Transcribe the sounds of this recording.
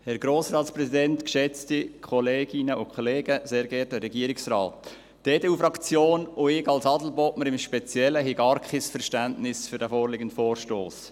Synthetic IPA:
hɛɾɡɾoːsrɑːtspɾɛsidɛntkʃɛt͡stikʰɔleːɡɪnəʊkʰχɔleːɡəzeːɾɡɛːɾtəɾɛɡiəɾɪksrɑːt | d̥eːdeːuːfɾɑkt͡sjoːnʊɪɡɑlsɑdl̩bɔtməɾɪmʃpɛt͡sjɛləɦiɡɑːɾkχɪsfɛɾʃtæntnɪsfʏɾd̥æfɔːrlɪɡən̩tfɔːɾʃtoːs

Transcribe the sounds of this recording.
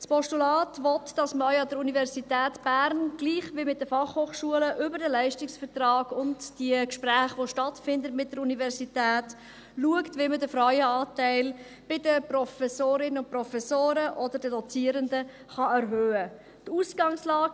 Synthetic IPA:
spɔʃtulɑːtʋɔtd̥ɑsməœʏɑdəɾunivɛɾsitæːtb̥æɾnɡ̥liːχʋɪmɪt̚d̥əfɑχhoːχʃuələʔʏbəɾdəlæɪʃtɪksfəɾtrɑːɡʊntd̥iəkʃpræːχʋoʃtɑtfɪndətmɪt̚d̥əɾunivɛɾsitæːt | luəktʋimədəfɾœɥəɑːtæɪl | b̥ɪdəpɾɔfɛsoːɾɪnəʊnpɾɔfɛsoːɾəʔɔdədədɔt͡siːəɾəndə | χɑɛɾɦøːə | tuːsɡ̥ɑŋslɑːɡ

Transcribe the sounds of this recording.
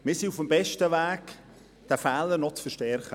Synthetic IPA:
mɪːsiufəmbɛʃtəʋæːk | d̥æfæːləɾnɔt͡sfəʃtɛrχə

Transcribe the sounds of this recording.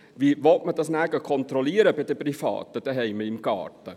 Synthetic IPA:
ʋiːʋɔtməd̥ɑsnæɡəkʰɔnt̪ɾɔliːəɾəbɪd̥əprifɑ̰ːtəd̥ɛɦɛɪməɪmɡɑ̰ːtə

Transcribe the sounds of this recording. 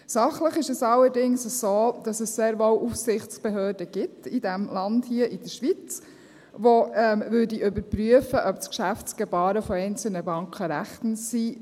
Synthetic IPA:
sɑχləχɪʃɛsɑlːəɾdɪŋsəz̥oːd̥ɑsəsseːɾʋowʔufsɪχt͡sb̥eɦøːɾdəɡ̥ɪtidæmlɑndhiəʔɪd̥əʃʋit͡s | ʋoɛmvʉɾdiʔʏbəɾpɾyəfəʔœpskʃæft͡sɡ̥ɛbɑːɾəfɔɛɪnt͡sl̩nəbɑŋkχəɾæχtn̩si

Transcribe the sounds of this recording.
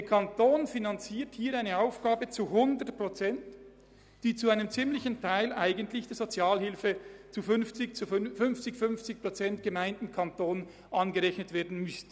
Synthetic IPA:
d̥eɐkʰɑntoːnfinant͡siːɐthiːɐɾaɪnəaʊfɡ̥aːbət͡suhʊndətpʁ̥ot͡sɛnt | d̥iːt͡suaɪnəmt͡simlɪçn̩tʰaɪlaɪɡən̩tlɪçd̥eːɐz̥ot͡sjaːlɦɪlfət͡sufʏnft͡sɪçt͡sufʏnft͡sɪçfʏnft͡sɪç̚pʁ̥ot͡sɛntɡ̥əmaɪntn̩kʰɑntoːn | ʔɑnɡəʁɛçnətv̥eːɐdn̩mʏstn

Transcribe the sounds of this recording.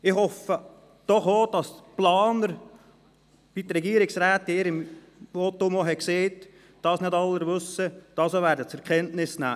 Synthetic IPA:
ɪχhɔfə | d̥ɔχoːd̥ɑsplɑːnəɾ | b̥it̪əɾɛɡiːəɾɪksɾæːt̪ːeːɾɪm | otːomoɦɛkseːt | d̥ɑːsnɪdɑlːəɾʋʉsːəd̥ɑːsoʋæːɾdət͡sɛɾkʰɛntnɪsnæ̰ː

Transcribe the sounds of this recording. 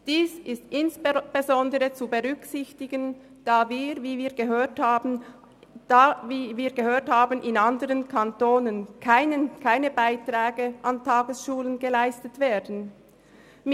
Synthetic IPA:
d̥iːsɪstʔɪnsb̥ezɔndəʁət͡subəʁʏksɪçtɪɡən | d̥aːviːʁviːviːɐɡəɦøːtː | viːviːɐɡəhøːɐthaːbənʔɪnandəʁənkʰantoːnənkʰaɪnəkʰaɪnəbaɪtʁ̥aːɡəʔɑntʰɑːɡəsʃuːlənɡəlaɪstətv̥eːɐdn̩ | m

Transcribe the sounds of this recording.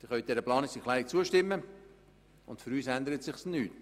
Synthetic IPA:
d̪̥ɪχœɥ̚d̥̪ɛɾəplɑːnɪksiχlæɾɪk̚t͡suəʃtɪmːə | ʊntfʏɾyːsænd̪əɾətsɪχsnyːt

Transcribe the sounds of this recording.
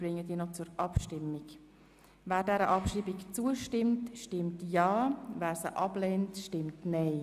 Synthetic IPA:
b̥ɾɪŋːədiːnɔt͡sʊɾʔɑpʃtɪmːɪk | væːɾdɛɾəʔɑpʃibikt͡suəʃtɪmtʃtɪmtjɑːvæːɾsəʔɑblɛːntʃtɪmtnɛɪ

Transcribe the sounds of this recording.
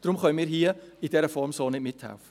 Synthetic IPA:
d̥rʊmχɔjmiːɾɦiːəidɛɾəfɔrmsoːnɛmɪtʰa̰w

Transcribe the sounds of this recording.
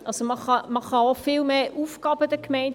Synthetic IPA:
ʔɑlsoməχɑməχɑofɪlmeːʔufɡɑːb̥ədəkmɛɪn

